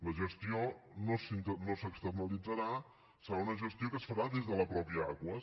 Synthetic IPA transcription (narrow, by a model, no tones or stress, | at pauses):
ləʒəst̪ionosint̪ənosəkst̪ərnəlid͡zəɾa | səɾaunəʒəst̪iokəsfəɾaðezðələpɾɔpiəa̰ɣwə